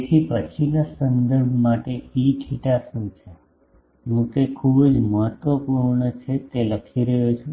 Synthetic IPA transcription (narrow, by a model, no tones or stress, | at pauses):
et̪ʰipət͡ʃʰinasənd̪əɾbʱmaʈeikʰiʈasũt͡ʃʰe | ɦũk̪ekʰubd͡ʒməɦət̪ʋəpuɾɳət͡ʃʰet̪eləkʰiɾəɦot͡ʃʰũ